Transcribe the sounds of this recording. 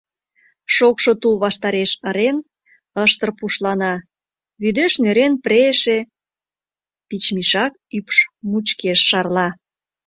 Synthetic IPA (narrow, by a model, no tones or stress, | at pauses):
ʃokʃot̪ulβɑʃt̪ɑɾeʃəɾen | əʃt̪ə̆rpuʃlɑnɑ | βyd̪øʃnøɾenpɾeʃe | pit͡ɕmiʃɑk̚ypʃmut͡ɕkeʃːɑrlɑ